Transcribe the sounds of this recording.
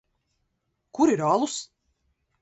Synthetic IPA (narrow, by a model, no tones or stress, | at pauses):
kuɾiɾɑlˠus